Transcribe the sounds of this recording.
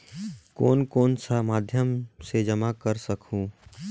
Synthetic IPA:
kɔːnkoːnsamaːd̪ʱjəmsed͡ʒəmakəɾsəkũː

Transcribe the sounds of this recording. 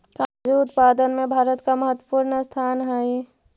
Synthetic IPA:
kad͡ʒuʊt̪paːd̪ənmẽbʱaːɾət̪kaməɦət̪wəpuːɾɳəst̪ʰaːnɦai

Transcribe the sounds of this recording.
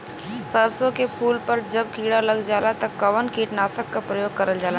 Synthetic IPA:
sɐɾsõkepʰuːlpɐɾd͡ʒɐb̚kiːɽalɐɡd͡ʒaːlat̪ɐkɐʋənkʰiːʈnaːsəkːapɾɐjoːɡkɐɾəld͡ʒaːla

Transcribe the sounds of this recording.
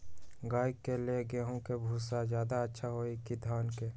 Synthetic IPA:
ɡaːikːelieɡeːɦõkebʱuːsazjaːd̪aətːʃʰaɦoːikid̪ʱaːnke

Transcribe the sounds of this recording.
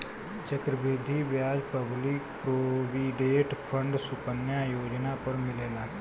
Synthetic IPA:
t͡ʃəkɾəbeːd̪ʱibjaːd͡ʒpəblɪkpɾoːʋiɖeːʈpʰə̃ɳɖsʊpənjajoːd͡ʒnapəɾmɪleːlaː

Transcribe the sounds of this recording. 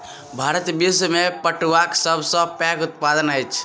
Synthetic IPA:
bʱaɾət̪bismepəʈʋaksəbʱsə̃pɛ̃kut̪̚pad̪ənəjt͡ʃʰ

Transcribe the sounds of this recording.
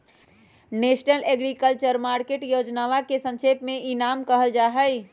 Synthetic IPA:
nesnəleɡɾikəlt͡ʃəɾmaɾkeʈjod͡ʒnaʋakesə̃nt͡ʃʰepmeinamkəɦəld͡ʒaɦəj

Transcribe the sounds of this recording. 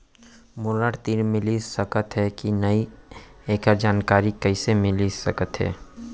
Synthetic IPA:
mʊɾɾaːʈt̪iːɾmɪlisɐkət̪ɦɛkinɐieːkəɾd͡ʒaːnkaːɾikɐɪsemɪlisɐkət̪ɦɛ̰ː

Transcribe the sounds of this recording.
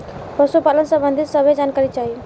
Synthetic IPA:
pəsupalənsə̃bənd̪ʱit̪səbʱed͡ʒankaɾit͡ʃaɦi

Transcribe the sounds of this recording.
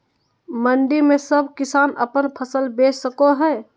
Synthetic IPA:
məɳɖimesəb̚ʱkisanə̰pənpʰəsəlbessəkoɦɛ

